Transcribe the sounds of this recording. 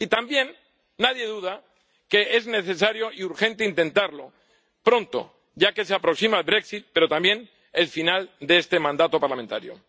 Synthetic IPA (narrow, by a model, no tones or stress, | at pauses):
it̪ambje̞nː | aðje̞ðuð̞a | ke̞e̞zne̞θe̞s̬aɾjo̞iuɾxẽ̞nt̪e̞int̪ẽ̞nt̪aɾlo | pɾõ̞nt̪o̰ | ɟ͡ʝake̞s̬eapɾo̞ksimaelbɾe̞ksit̪̚pe̞ɾo̞t̪ambje̞n | e̞lfinald̪eest̪e̞mãnd̪at̪o̞paɾlamẽ̞nt̪a̰ɾjo̰